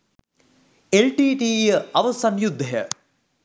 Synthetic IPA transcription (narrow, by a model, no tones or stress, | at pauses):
elʈiːʈiːjəɐʋəsanjud̪ʱːɐɦjə